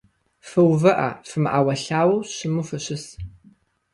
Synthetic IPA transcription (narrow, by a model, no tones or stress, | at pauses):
fɨwvɐʔɐ̰fɨmʔaːwɐɬaːwɐwɕɪmufɨɕɪs